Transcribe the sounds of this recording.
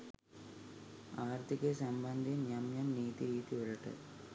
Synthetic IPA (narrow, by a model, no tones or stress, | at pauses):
aːɾt̪ʰikesɐmbɐnd̪ʱinjɐmjɐmniːt̪iɾiːt̪iʋɐɾɐʈːɨ̰